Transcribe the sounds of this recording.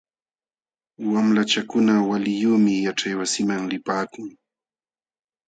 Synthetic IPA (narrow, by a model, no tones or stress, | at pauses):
wamlat͡ʃakʊnawalɪjuːmɪjaʈ͡ʂajwasɪmaŋlɪpaːkʊŋ